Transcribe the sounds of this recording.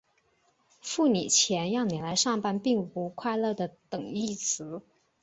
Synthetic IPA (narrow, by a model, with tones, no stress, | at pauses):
fu˥˩nḭ˨˩t͡ɕʰjɛ˧˥njɑ˥˩ŋni˨˩la˧˥ɪʂɑ˥˧ŋpa˥˧npi˥˩ŋpu˧˥kʰwa˥˧ɪlɤ˥˩d̪ə˩t̪ɤ˨˩ŋi˥˩t͡sʰɹ̩˧˥